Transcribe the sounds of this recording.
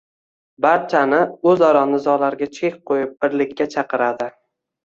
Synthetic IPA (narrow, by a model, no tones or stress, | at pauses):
baɾt͡ʃʰanɪɵzɒɾɒnɪzɒlaɾɡʲat͡ʃʰek̚ʲqʰojɪp̚b̥ɪɾlɪkʲʰːat͡ʃʰɑqɨɾad̪ɪ